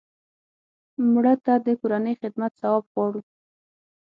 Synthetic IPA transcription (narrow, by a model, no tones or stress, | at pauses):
mɽət̪ad̪əkoɾanəjxɪd̪mat̪sawɑbɣwɑɽu